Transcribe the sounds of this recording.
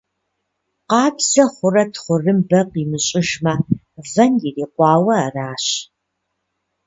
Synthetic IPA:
qɑːbz̥ɐχʷʊrɐtʰχʷʊrɨmbɐqiːmɨɕʼɪʒmɐ | vɐnjireːqʷɑːwɐaraːɕ

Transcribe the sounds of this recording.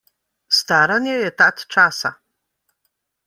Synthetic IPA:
st̪aɾanʲjɛjɛt̪at̪t͡ʂasa̰

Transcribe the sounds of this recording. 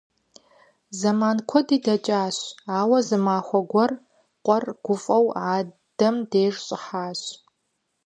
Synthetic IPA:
zɐmaːnkʷʰɔdiːdɐt͡ʃʼaːɕaːwɐzɨmaːxʷɔɡʷɔr | qʷʼɔrɡ̥ʷʊfʼɐwaː | d̥ɐmdeːʐɕʼɪħaːɕ

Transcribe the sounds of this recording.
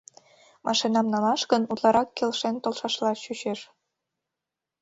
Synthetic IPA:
mʔɑʃinɑmnɑlɑʃkə̆nut̪lˠɑɾɑkːelʃent̪olʃɑʃlɑɕyɕeʃ

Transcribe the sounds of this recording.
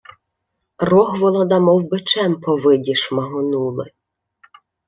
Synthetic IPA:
rɔɦʋɔlˠɐd̪ɐmɔwbɪt͡ʃɛmpɔʋɪdʲiʃmɐɦʊnulˠɪ

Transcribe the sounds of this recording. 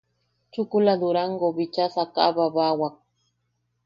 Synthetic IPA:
t͡ʃʊkʊlad̪ʊɾaŋɡobɪt͡ʃasaka̰babawak̚

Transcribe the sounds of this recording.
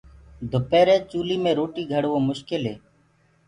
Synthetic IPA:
d̪ʱʊpeːɾẽːt͡ʃuːliːmẽːɾoːʈiːɡʱəɽʋõːmʊʃkɪlɦeː

